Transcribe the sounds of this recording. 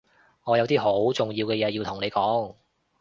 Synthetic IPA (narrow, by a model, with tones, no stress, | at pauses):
ŋɔː˨˧jɐ˨˧wt̪iː˥ɦo˨˥wt͡sʊ˨˩ŋjiː˧wkɛː˧jɛː˨˧jiː˧wt̪ʰʊ˨˩ŋne˨˧jkɔː˨˥ŋ